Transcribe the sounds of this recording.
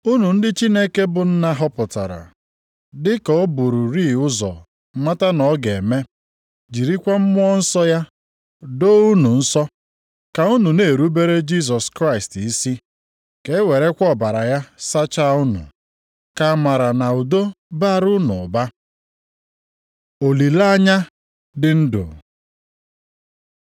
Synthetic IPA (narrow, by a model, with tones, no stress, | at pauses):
u˦nu˨n̩˦dɪ˦t͡ʃi˦ne˦ke˦bʊ˨n̩˦na˦ɦɔ˦pʊ˨ta̰˨ɾa̰˨ | dɪ˦kɔ˨˦bu˨ɾu˨ɾiː˦˨ʊ˦zɔ̰˨˦ | ma˦ta˦nɔ˨˦ɡe˨me˦ | d͡ʒi˨ɾi˦kʷa˦m̩˦mʊ˦ɔ˦n̩˦sɔ˦ja˦ | do˦u˦nu˨n̩˦sɔ˦ | ka˨u˦nu˨ne˨ɾu˦be˦ɾe˦d͡ʒi˦s̬ɔ˨skɾa˦ɪ˨sti˦si˦ | ke˨˦we˨ɾe˦kʷɔ˦˨ba˨ɾa˨ja˦sa˦t͡ʃa˦ʊ˦nʊ̰˨ | ka˨ma˨ɾa˨na˨u˨do˦ | ba˦ɾʊ˦nʊ˨ba˦ | o˨li˨la˦a˦ɲa˦ | dɪ˨n̩˦do̰˨